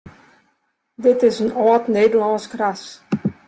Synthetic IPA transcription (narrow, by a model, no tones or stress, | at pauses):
dɪtɪsənɔːtneːdəlɑnskras